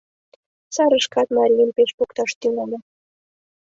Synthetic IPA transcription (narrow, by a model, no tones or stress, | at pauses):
sɑɾɤ̆ʃkɑt̪mɑɾʲijənpʲeɕpokt̪ɑʃt̪ylʲelʲɘ̆